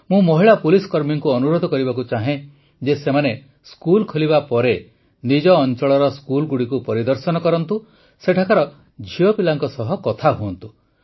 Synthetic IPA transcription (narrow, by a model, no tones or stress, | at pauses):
mũmɔɦiɭapuliskɔɾmiŋkuɔnuɾod̪ʱɔkɔɾibakut͡ʃaɦẽ | d͡ʒesemane | skulkʰoliβapɔɾe | nid͡ʒɔːnt͡ʃɔɭɔɾɔskulɡuɽikupɔɾid̪ɔɾsɔnɔkɔɾɔnt̪u | seʈʰakaɾɔ | d͡ʒʱijɔpilaŋkɔsɔɦɔkɔt̪ʰaɦuɔnt̪u